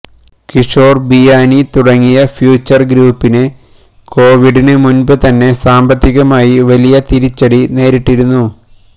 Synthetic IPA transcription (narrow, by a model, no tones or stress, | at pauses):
kiʂoːrbijaːnit̪uɽɐŋːijɐfjuːt͡ɕːɐrɡɾuːpːinɨ | ko̞ːʋiɽinɨmunbɨt̪ɐnːe̞saːmbɐt̪ʰːiɣɐmaːjiʋɐlijɐt̪iɾit͡ɕːɐɽine̞ːɾiʈːiɾunːu